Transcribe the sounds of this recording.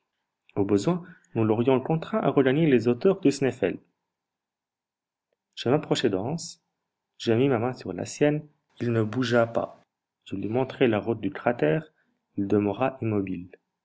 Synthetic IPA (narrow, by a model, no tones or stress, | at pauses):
obəzwɛ̃nulɔʁjɔ̃ləkɔ̃t̪χɛ̃ʔa̰ʁəɡaɲelezot̪œʁd̪əsnɛfɛ̰l | ʒ̥əmapχɔʃed̪ɑ̃s | ʒ̥əmimamɛ̃syʁla̰sjɛn | ilnəbuʒapa̰ | ʒ̥əlɥimɔ̃t̪χelaʁut̪̚d̪ykχat̪ɛːʁ | ild̪əməʁaʔimɔbil